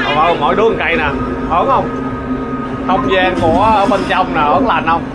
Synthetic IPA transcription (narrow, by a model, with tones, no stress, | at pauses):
ʔə˧˩mɔ̰˧˨jɗɨ˨˦ə˨˩ka˧jnaː˨˩ | hə˨˦nhə˧wŋ͡m | xə˧wŋ͡mzaː˧nku˧˩əəː˧˩ɓə˧nt͡ɕɔ˧wŋ͡mnaː˨˩həː˨˦nla̰˨˩nhə˧wŋ͡m